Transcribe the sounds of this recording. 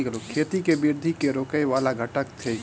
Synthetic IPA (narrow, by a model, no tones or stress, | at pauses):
ikəloːkʰeːt̪ikebɪɾd̪ʱikeɾoːkəjʋaːlaɡʱɐʈəkt̪ʰe